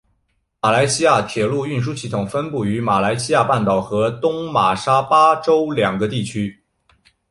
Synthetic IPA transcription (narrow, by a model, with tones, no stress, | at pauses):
ma˨˩la˧˥ɪɕi˥ja˥˩t̪ʰjɛ˨˩lu˥˧y˥˩nʂ̬u˥ɕi˥˩t̪ʰʊ˨˩ŋfə˥npu˥˩y˧˥ma˨˩la˧˥ɪɕi˥ja˥˧pa˥˩nt̪ɑ˨˩ʊxɤ˧˥t̪ʊ˥ŋma˨˩ʂa˥pa˥ʈ͡ʂo˥ʊljɑ˨˩ŋɡə˧˦t̪i˥˩t͡ɕʰy˥